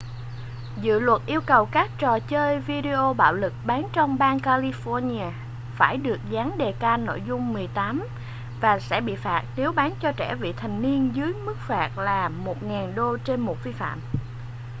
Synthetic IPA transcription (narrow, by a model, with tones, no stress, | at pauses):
zɨ̰˧˨lwə˨˩t̚ʔi˧əwkə˨˩wkaː˦˥k̚t͡ɕɔ˨˩t͡ɕəː˧jvi˧ɗi˧ʔo˧ɓa̰ː˧˨wlɨ˨˩k̚ɓaː˨˦nt͡ɕɔ˧wŋ͡mɓaː˧nkaː˧li˧fɔ˧ni˧aː˧ | faː˧˩jɗɨ˨˩ək̚zaː˨˦nɗe˨˩kaː˧no̰˧˨jzʊ˧ŋ͡mːɨ˨˩əjt̪aː˨˦m | vaː˨˩sɛ̰˧˥ɓḭ˧˨faː˨˩t̚ne˨˦wɓaː˨˦nt͡ɕɔ˧t͡ɕɛ̰˧˩vḭ˧˨t̪ʰa˨˩ŋ̟ni˧ənzɨ˨˦jmɨ˦˥k̚faː˨˩t̚laː˨˩mo˨˩t̚ŋaː˨˩nɗo˧t͡ɕe˧nmo˨˩t̚vi˧fa̰ː˧˨m